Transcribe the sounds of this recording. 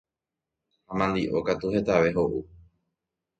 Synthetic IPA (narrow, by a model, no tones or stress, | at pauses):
hamãnd̪iʔo̞̰kat̪uhe̞t̪aʋe̞ɦo̞ʔu